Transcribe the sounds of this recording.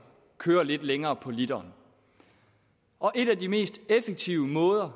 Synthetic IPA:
kʰøːɐle̝d̥leŋɐːpʰɒ̽lid̥ɐːn | ʔɒ̽ʔe̝ɾ̥ædime̝̰ːsd̥efeɡ̥̚t͡sʰiʊəmɔ̽ːð̞ˠɐ

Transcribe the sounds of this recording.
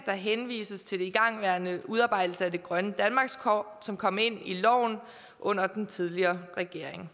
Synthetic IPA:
d̥ɑ̈ɦenʋḭːsəst͡sʰe̝ld̥eiɡ̥ɑ̈ŋ̰ʋæɐnəuð̞ˠɑ̈ːb̥ɑ̈ɪ̰d̥l̩səæd̥e̝ɡ̥ʁɶnəd̥ænmɑ̈ɡ̥skʰɒ̰ | sɒ̽mkʰɒ̽m̰e̝n̰ilɒ̰ʊ̰n | ʔɔ̽n̰ɐd̥ent͡sʰið̞ˠliɐːʁɛɡ̥e̝ɐ̰eŋ

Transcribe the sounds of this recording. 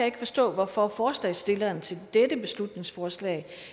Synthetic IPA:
æje̝ɡ̥ə̥fɒ̽sd̥ɔ̰̽ːʋɒfɒ̽fɒːslɛ̰ɪsd̥e̝lɐːnt͡sʰe̝ld̥edəb̥e̝slud̥ne̝ŋsfɒːslɛ̰ːɪ

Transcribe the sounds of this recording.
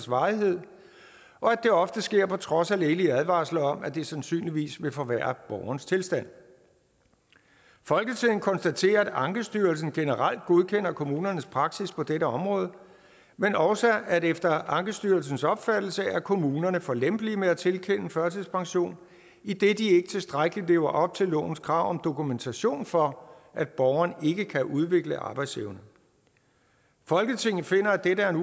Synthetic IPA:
sʋɑ̈ːiɦe̝ð̞̰ˠ | ʔɒ̽æd̥e̝ɒ̽fd̥əsɡ̥e̝ɐ̰pʰɒ̽t͡sʰʁɒ̽sæl̰e̝ːliæðˠʋɑ̰̈ːslɐɒ̽mæd̥e̝sænsy̰ːnliʋḭːsʋe̝fɒ̽ʋæɐb̥ɒʊɐnəst͡sʰe̝lsd̥æn̰ | fɒ̽lɡ̥ət͡sʰeð̰ˠn̩kʰɒ̽nsd̥æt͡sʰe̝̰ːɐæd̥ɑ̈ŋɡ̥əsd̥yːɐls̬n̩ɡ̥e̝nəʁɑl̰d̥̚ɡ̥o̝ð̞ˠkʰen̰ɐkʰo̝muːnɐnəspʰʁɑ̈ɡ̥sispʰɒ̽d̥eɾəɒ̽mʁɔ̽ːð̞ˠə | menɒʊsæædefd̥ɐɑ̈ŋɡ̥əsd̥yɐlsn̩sɒ̽b̥fæd̥l̩səæɐkʰo̝muːnɐnəfɒ̽lem̰b̥limeæt͡sʰe̝lkʰen̰əfɶɐt͡sʰeðˠspʰɑ̈ŋɕo̝̰ːn | id̥e̝d̥ie̝ɡ̥ət͡sʰe̝lsd̥ʁaɡ̥əli̥le̝̰ːʊɐʔɒ̽b̥̚t͡sʰe̝lːɔ̰̽ːʊn̩skʰʁɑ̈ʊ̰ɒ̽md̥o̝kument͡sʰæɕo̝̰ːnfɒ̽ʔæd̥̚b̥ɒʊɐne̝ɡ̥əkʰæʔuð̞ˠʋe̝ɡ̥ləʔɑ̈ːb̥ɑ̈ɪd̥sḛʊnə | fɒ̽lɡ̥ət͡sʰe̝ŋ̰n̩fe̝n̰ɐæd̥eɾəæɐen

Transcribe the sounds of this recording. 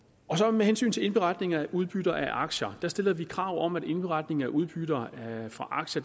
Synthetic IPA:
ɒ̽sɒ̽mehensy̰ːnt͡sʰe̝le̝nb̥e̝ʁɑ̈d̥ne̝ŋɐæʔuð̞ˠb̥yɾ̥ɐʔæʔɑ̈ɡ̥ɕɐd̥æɐsd̥e̝l̰ɐʋikʰʁɑ̈ʊ̰ɒ̽mæd̥e̝nb̥e̝ʁɑ̈d̥ne̝ŋæʔuð̞ˠb̥yɾ̥ɐfʁɑ̈ʔɑ̈ɡ̥ɕɐ

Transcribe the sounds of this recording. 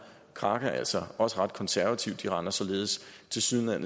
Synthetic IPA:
kʰʁɑ̈ɡ̥æʔæl̰sɒɒ̽səʁɑ̈d̥̚kʰɒ̽nsæɐʋæt͡sʰiʊd̥iʁɑ̈nɐsɒ̽le̝ːð̞̩ˠst͡sʰe̝lsyðˠlæn

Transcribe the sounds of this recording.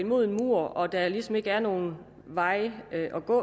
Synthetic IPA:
imo̝ð̰ˠe̝nmuɐ̰ɒ̽d̥ælisɒ̽me̝ɡ̥əæɐno̝ːn̩ | ʋɑ̈ɪ̰øʔɒ̽ɡ̥ɔ̰

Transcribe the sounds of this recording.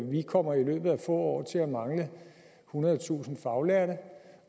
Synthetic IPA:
ʋikʰɒ̽m̰ɐilø̰ːb̥ð̩ˠæfɔ̰̽ːɒ̰ːt͡sʰe̝læmɑ̈ŋlə | hunɐð̞ˠt͡sʰṵːsn̩fɑ̈ʊlæɐɾə

